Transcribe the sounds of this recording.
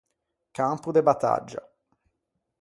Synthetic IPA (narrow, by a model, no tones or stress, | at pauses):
kampud̪ebat̪ːa̰d͡ʒːa̰